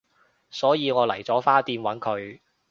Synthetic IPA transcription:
sɔː˨˥jiː˨˧ŋɔː˨˧lɐ̰˨˩jt͡sɔː˨˥faː˥t̪iː˧nwɐ˨˥nkʰɵ˨˧ɥ

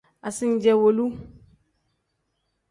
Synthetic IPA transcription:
a˨si˦n˦d͡ʒɛ˨wo˨lu˦

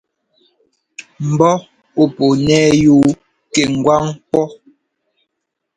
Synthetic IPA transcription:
m̩˨bɔ˦ | o˨po˨nɛː˦juː˦ | ke˨ŋ̩˨ɡwa˦ŋk͡pɔ˦

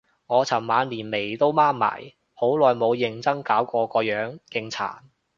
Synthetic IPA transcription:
ŋɔː˨˧t͡sʰɐ˨˩mmaː˨˧nliː˨˩nme˨˩jt̪o˥wmaː˥mma̰ː˨˩j | ho˨˥wlɔː˨jmo˨˧wjɪ˨ŋt͡sɐ˥ŋkaː˨˥wkɔː˧kɔː˧jœː˨˥ŋkɪ˧ŋt͡sʰa̰ː˨˩n

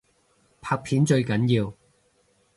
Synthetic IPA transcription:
pʰaː˧k̚pʰiː˨˥nt͡ʃɵ˧ɥkɐ˨˥njiː˧w

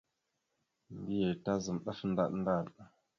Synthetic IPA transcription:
mbi˦je˨ta˦zə˨mɗa˦fn˦da̰˦ɗn˦da˦˨ɗ

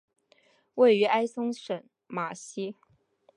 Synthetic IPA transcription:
we˥˩ɪy˧˥ʔa˥ɪsʊ˥ŋʂə˨˩˦n | ma˨˩ɕi˥

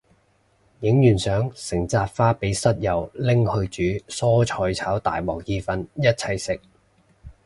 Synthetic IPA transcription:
jɪ˨˥ŋjyː˨˩nsœː˨˥ŋsɪ˨˩ŋt͡saː˧t̚faː˥pe˨˥jsɐ˥t̚jɐ˨˩wlɪ˥ŋhɵ˧ɥt͡ʃyː˨˥sɔː˥t͡ʃʰɔː˨˧jt͡sʰaː˨˥wt̪a̰ː˨jwɔ̰ː˨˩k̚jiː˧fɐ˧njɐ˥t̚t͡sʰɐ˧jsɪ˨k̚

